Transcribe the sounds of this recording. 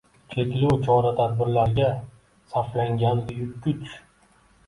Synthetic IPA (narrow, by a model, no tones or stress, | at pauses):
t͡ʃʰekʲluwt͡ʃʰɒɾat̪ʰad̪̚bɪɾlaɾɡʲa | saflaŋɡʲand̪ɪjʊt̪̚kʲʰʊt͡ʃ